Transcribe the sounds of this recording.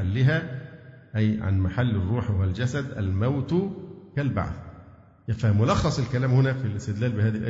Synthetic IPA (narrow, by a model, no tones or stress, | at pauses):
alːɪɦæ | ʔæjʕa̰nmaħalːɪrˤːuːħwhwæld͡ʒæsæd̪ʔæ̰lmæwt̪kælba̰ʕθ | fæmʊlɑxːɑsˤɪlkælæːmhʊnæfilɪst̪ɪd̪læːlbɪhæːðiʔæ